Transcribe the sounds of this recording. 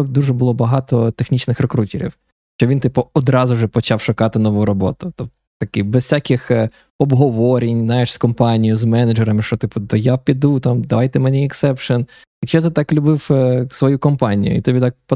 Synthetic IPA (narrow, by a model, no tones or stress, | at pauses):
ɔd̪uʒɛbʊlˠɔbɐɦɑt̪ɔt̪exnʲit͡ʃnɪxrekɾutʲiɾʲḭw | ʃt͡ʃɔʋʲint̪ɪpʊɔd̪ɾɑzʊʐɛpɔt͡ʃɑwʃʊkɑt̪ɪnɔʋujɾɔbɔt̪ʊt̪ɔp | t̪ɐkɪbɛssʲakʲɪx | ɔbɦɔʋɔɾʲɪnʲznajɪʂskɔmpɑnʲijʊzmɛnɐd͡ʒɛɾɐmɪʃt͡ʃɔt̪ɪpʊd̪ɔjapʲid̪ut̪ɑmd̪ɐʋɑjt̪ɛmenʲiɛksɛpʃɔn | jɐkʃt͡ʃɛt̪ɪt̪ɑklʲʊbɪwsʋɔjukɔmpɑnʲḭjʊ̰ḭt̪ɔbʲit̪ɑk̚p